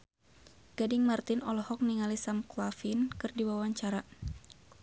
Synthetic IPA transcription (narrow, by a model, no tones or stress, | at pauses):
ɡ̥adɪŋmart̪ɪnɔlɔhɔk̚niŋalisamkulafinkɨrdiwawaɲt͡ʃaɾa